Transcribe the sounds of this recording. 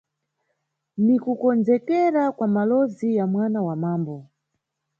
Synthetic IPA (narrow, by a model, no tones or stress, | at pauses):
nikukɔnd͡zɛkɛɾakwamalɔzijamwanawamaːmbɔ